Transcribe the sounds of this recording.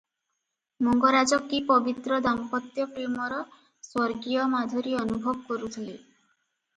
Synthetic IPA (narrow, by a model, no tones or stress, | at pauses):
mɔŋɡɔɾad͡ʒɔkːipɔbit̪ɾɔd̪aŋpɔt̪jɔpɾemɔɾɔ | swɔɾɡijɔmad̪ʱuɾiɔnubʱɔbɔkɔɾut̪ʰile